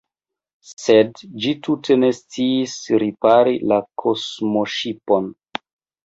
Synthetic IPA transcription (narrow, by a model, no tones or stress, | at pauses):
se̞dd͡ʒitutʰe̞ne̞st͡siːsɾipaɾilakʰo̞smoʃipo̞n